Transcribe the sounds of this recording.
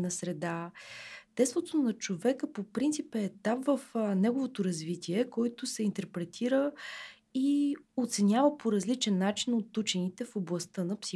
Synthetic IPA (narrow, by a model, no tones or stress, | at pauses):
nɐsɾɛd̪a | t̪ɛst̪vot̪nɐt͡ʃovɛkəpopɾint̪sipɛːt̪amvəfnɛɡovot̪oɾɐzvit̪ʲʰiɛkɔjt̪ʊsɛint̪ɛɾpɾɛt̪ʰiɾə | iot̪sɛnʲjavəpʰoɾɐzlit͡ʃɛnːat͡ʃinot̪ːut͡ʃɛnit̪ɛfoblˠɐst̪ɤnɐpsi